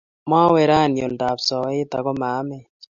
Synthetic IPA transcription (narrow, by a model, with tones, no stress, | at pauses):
ma˦wɛ˨ɾa˦˨njo˨lda˨psɔ˨˦t̪a̰˨kɔ˦maː˨˦mɛ˦